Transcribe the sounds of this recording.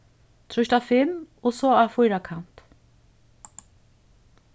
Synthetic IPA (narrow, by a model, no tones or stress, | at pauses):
t̪ʰɾʊʃt̪afɪm | ɔsɔafɔjɾakʰan̥t̪